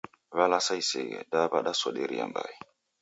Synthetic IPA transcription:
valasajseɡedabaɗasoɗeɾija̰mba̰j

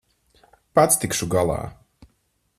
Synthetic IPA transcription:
pat̪st̪ikʃuɡalˠɑ̰ː

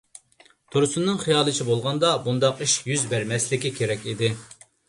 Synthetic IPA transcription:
t̪ʰoɾsunːɨŋχijɑːlˠɨt͡ʃʰibolˠʁɑnd̪ɑbund̪ɑqiʃjyzbæɾmɛslɪkʲikʲʰeɾɛkʲid̪ɪ

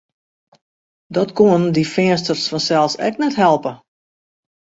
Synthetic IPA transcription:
dɔtkuəndifɪənstərsfɔnsɛlˠsɛ̰knɛtɦɛlˠpə

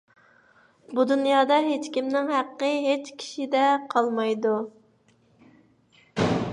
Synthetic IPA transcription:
bud̪unjɑːd̪ɑɦet͡ʃkʲimnɪŋɦæqːəɦet͡ʃkʲʰi̥ʃid̪ɛqʰɑlˠmɑjd̪u

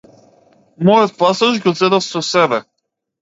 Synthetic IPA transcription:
mɔjɔt̪̚pasaʒɡɔzɛd̪afsɔsɛbɛ

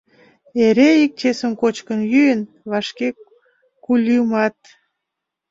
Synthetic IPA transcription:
eɾeik̚t͡ɕesəmkot͡ɕkənjyjən | βɑʃke | kulʲimɑt̪̚

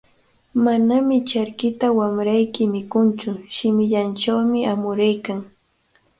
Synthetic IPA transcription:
manamɪt͡ʃaɾkɪt̪awamɾajkɪmɪkʊnt͡ʃʊʃɪmɪʎant͡ʃawmɪamʊɾajkaŋ

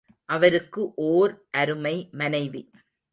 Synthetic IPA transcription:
ʔɐʋɐɾɯkːɯʔoːɾʔɐɾɯmɐɪmɐnɐɪʋi

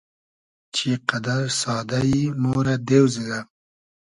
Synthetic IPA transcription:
t͡ʃeqad̪aɾsɑːd̪ajinoɾad̪ewziɡa

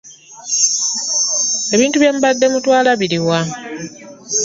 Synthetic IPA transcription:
e̞βiːntuβje̞ːmbadːe̞mutwaːlaβiɾiwa

